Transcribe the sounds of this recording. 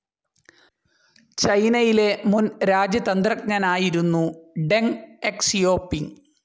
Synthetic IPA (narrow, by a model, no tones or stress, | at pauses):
t͡ɕɐjnɐjile̞munɾaːd͡ʑjɐt̪ɐnd̪rɐk̚ɲɐnaːjiɾunːuɖeŋeksijo̞ːpːiŋ